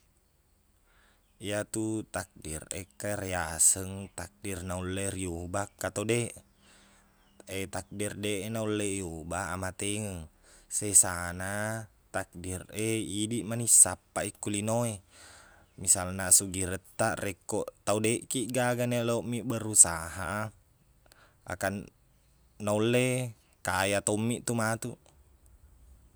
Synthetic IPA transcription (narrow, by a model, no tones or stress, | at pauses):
ijat̪ut̪ak̚dirḛkarɛasəŋt̪ak̚dirnaulːeriubakːat̪odeʔ | et̪ak̚dirdeʔnaulːejobaːmat̪eŋəŋ | sɛsana | t̪ak̚direidiʔmanisːapːaikːulinoe | misalnasuɡiɾət̪ːaʔrɛkːɔʔt̪audeʔkiʔɡaɡaneleomːiʔbəɾusaɦa̰ | a̰kanː | aulːe | kajat̪ɔmːiʔt̪umat̪u